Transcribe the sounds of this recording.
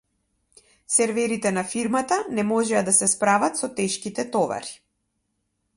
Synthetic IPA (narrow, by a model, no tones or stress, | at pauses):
sɛɾvɛɾit̪ɛnafiɾmat̪anɛmɔʒɛad̪asɛspɾavat̪sɔt̪ɛʃkit̪ɛt̪ɔva̰ɾi̥